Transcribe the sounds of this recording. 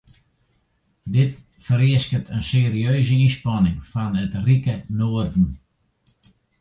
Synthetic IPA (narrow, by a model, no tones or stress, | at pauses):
dɪtfəɾiəskətʰənseːɾiøːzəinspanɪŋfɔnətrikənoːərdn̩